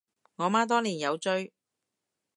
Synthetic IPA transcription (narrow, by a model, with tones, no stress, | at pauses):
ŋɔː˨˧maː˥t̪̬ɔː˥liː˨˩njɐ˨˧wt͡ʃɵ˥ɥ